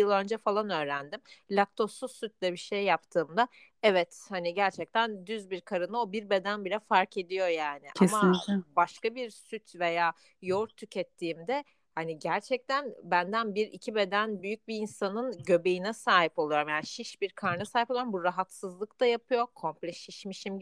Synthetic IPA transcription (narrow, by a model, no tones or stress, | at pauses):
ɯlˠø̞nd͡ʒɛfalˠanø̞ːɾænd̪imlʲak̚t̪ʰo̞susːyt̪̚lʲɛbiʃe̞jːapt̪ʰɯːmd̪a | ɛvɛt̪haniɟæɾt͡ʃʰɛc̚t̪ʰænd̪yzbiɾkʰaɾɯnɯo̞biɾbe̞d̪ænbilʲɛfaɾkʰe̞d̪ijo̞jaːnɪʔamabaʃkabiɾsyt̪ʰve̞jaː | jo̞ɾt̪ʰːycʰɛt̪ʰːiːmd̪ɛ | haniɟæɾt͡ʃʰɛc̚t̪ʰænbænd̪ænbiɾḭcʰibe̞d̪ænbyjyc̚biːnsanɯnɟø̞be̞jinɛsaːɦipo̞lˠujo̞ɾmjaːniʃiʃbiɾkʰaɾnasaːhipouoɾmbuɾaɦat̪sɯzlˠɯkt̪ajapʰɯjo̞kʰo̞mplʲɛʃiʃmiʃim